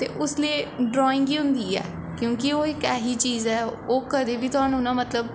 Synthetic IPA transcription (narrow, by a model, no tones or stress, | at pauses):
t̪ḛːʔʊslieːɖɾɔːɪ̃ŋɡiːɦʊ̃nd̪iːɛ̰ː | kjõːkɪoːɪkɛːɦiːt͡ʃiːzɛːoːkəd̪eːbiːt̪ʊaːnũːnãːmət̪ləb